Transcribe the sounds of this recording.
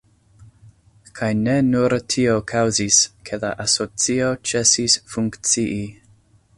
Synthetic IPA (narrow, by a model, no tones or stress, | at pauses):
kʰajnenuɾtʰio̞kʰawziskʰe̞la̰ʔaso̞t͡sio̞t͡se̞sisfuŋkt͡siʔi